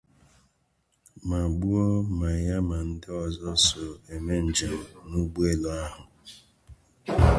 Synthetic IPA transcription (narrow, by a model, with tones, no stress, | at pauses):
ma˨ɡ͡bu˦o˦ma˨ja˦ma˨n̩˦dɪ˦ɔ˨zɔ˦sɔ˨e˨me˦n̩˨d͡ʒe˨m̩˨nu˦ɡ͡bu˦e˦lo˨˦a˦ɦʊ˨